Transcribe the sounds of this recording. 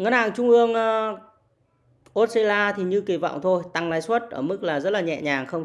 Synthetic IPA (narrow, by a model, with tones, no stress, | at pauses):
ŋə˨˦˥nhaː˨˩ŋt͡ɕʊ˧ŋ͡mʔɨ˧əŋ˧ | ʔo˦˥t̚se˧laː˧t̪ʰi˨˩ɲɨ˧ki˨˩vɔ̰˧˨wŋ͡mt̪ʰo˧jt̪a˧ŋlaː˨˦jswə˦˥t̚ʔəː˧˩mɨ˦˥k̚laː˨˩zə˦˥t̚laː˨ɲɛ̰˧˨ɲaː˨˩ŋxə˧ŋ͡m